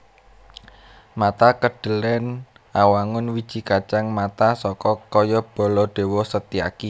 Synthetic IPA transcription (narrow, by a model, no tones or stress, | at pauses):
mat̪akəɖ̥ə̤lɛn | awaŋʊnwid̥ʒ̥i̤kat͡ʃaŋmat̪asɔkɔkɔjɔb̥ɔ̤lɔɖ̪̥e̤wɔsət̪ia̰ki